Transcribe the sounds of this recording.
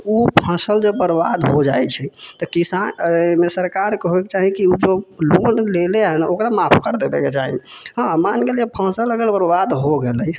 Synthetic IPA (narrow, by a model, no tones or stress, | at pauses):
upʰə̃səld͡ʒebəɾbad̪ɦod͡ʒajt͡ʃʰɛt̪ɔkisanmesəɾkaɾkeɦoɛket͡ʃaɦikiud͡ʒolonleleənokɾamapʰkəɾd̪ebɛket͡ʃaɦḭ | ɦə̃manɡeljepʰə̃səlːəɡəlbəɾbad̪ɦoɡelə